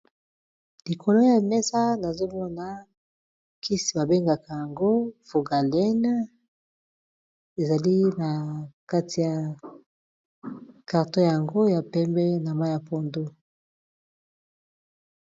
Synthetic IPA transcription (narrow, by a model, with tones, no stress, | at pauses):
li˨kʰo˨lo˦ja˨mɛ˦sa˦na˨zo˦mɔ˦na˨ | ki˦si˨ba˨be˦ŋɡa˨ka˨ja˨ŋɡo˦fo˨ɡa˨lɛ˦n | e˨za˨li˦na˨ka˦tʰi˨ja˨ | ka˨ʁto˦ja˨ŋɡo˦ja˨pɛ˦mbɛ˦na˨ma˦ja˨po˦ndo˦